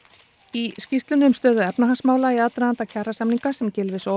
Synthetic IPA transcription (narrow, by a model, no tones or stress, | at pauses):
iscist̪lʏnʏmst̪œːðʏɛpnaɦansmaːwlaiat̪ɾaðant̪acʰarːasamniŋkasɛmcɪlvɪso